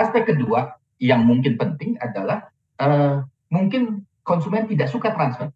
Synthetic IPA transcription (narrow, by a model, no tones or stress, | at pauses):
ast̪akədua | jaŋmuŋkɪnpənt̪ɪŋadalah | ʔə | muŋkɪn | kɔnsumɛnt̪idaʔsukat̪ɾansfər